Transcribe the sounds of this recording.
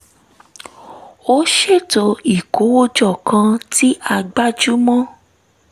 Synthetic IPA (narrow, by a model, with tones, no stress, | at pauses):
o˦ʃe˦˨to˨˧˦i˨ko˨˦wo˦d͡ʒɔ˦˨kʰã˧ti˦ʔa˧ɡ͡ba˦d͡ʒu˦mɔ̃˦